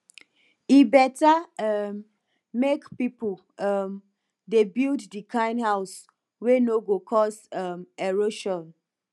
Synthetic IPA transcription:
ibɛtaʌmː | ekpipul | ʌm | debildːikʰãɪ̃nhaʊs | wenoɡokʰɔsʌmɛɹoʃɔ̃n

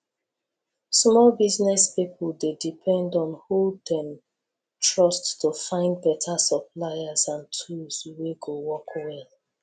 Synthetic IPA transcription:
smɔlbiznɛspipʰldedipʰɛ̃ndɔ̃nhudɛ̃m | tʰɹɔsttufãɪ̃ndbɛtʰasɔplaɪazãntʰuzweɡowɔkwɛl

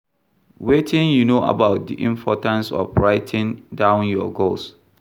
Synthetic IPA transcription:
wetʰĩnjunoʔa̰baʊt̚dḭʔĩmpʰɔtãnsɔ̰fɹaɪtʰɪ̃ndãʊ̃njɔɡols

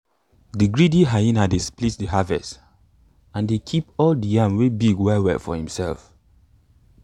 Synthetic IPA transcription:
diɡɹidiɦaĩnadisplitsdəɦavɛ̰st | ãndekʰipɔldijãmwebiɡwaɪwɛ̰fɔ̰hĩmsɛlf

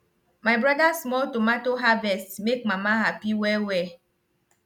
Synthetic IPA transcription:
majbɾɔdasmɔltomatoɦavɛstmek̚mãmaɦapiwɛwɛ

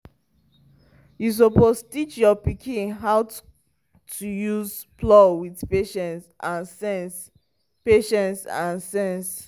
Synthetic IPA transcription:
jus̬opostit͡ʃjɔpikʰĩnɦaw | tʰujuz | plɔwiðpeʃɛ̃nsʔãnsɛns | peʃɛ̃nsã̰nsɛ̃ns

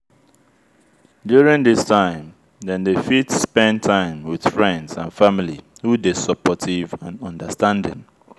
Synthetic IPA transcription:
djuɹĩŋðɪstʰãɪ̃m | ðɛ̃nðefitspɛ̃ntʰãɪ̃mwɪð̥fɹɛ̃ndzã̰nfamilihudesɔpɔtʰivãnɔ̃ndəstãndɪ̰̃n

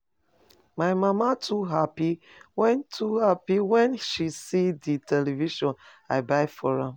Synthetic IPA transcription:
maɪmamatʰuɦapi | wɛ̃ntʰuhapiwɛ̃nʃisiditʰɛlɛviʃɔ̃n | aɪbaɪfɔɹã

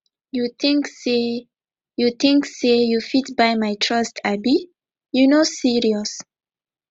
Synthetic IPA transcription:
jutĩŋkse | jut̪ĩŋksejufitbajmajtʰɹʌstʰabi | junosiɹiɔs

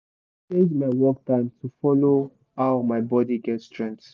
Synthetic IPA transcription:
ezmaɪwɔk̚tãɪ̃mtufɔlo | hawmaɪbɔdiɡɛtstʰɹɛ̃nt

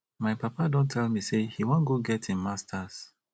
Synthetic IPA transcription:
maɪpapadɔ̃ntʰɛlˠmisehiwɔ̃nɡoɡɛtʰĩnmastʰas

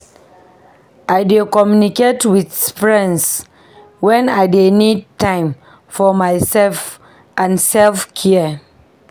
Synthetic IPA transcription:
aɪdekɔmjuniketwiθspɹɛ̃ns | wɛ̃naɪdenid̚tãɪ̃m | fɔmaɪsɛlf | ʔãnsɛlfkʰiə

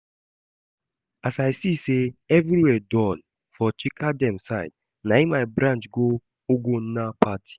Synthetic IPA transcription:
asaɪsiseɛvɾiwɛdɔ̃n | fɔt͡ʃikʰadɛ̃msaɪd̚ | naimaɪbɾãnt͡ʃɡo | oɡonapatʰi̥

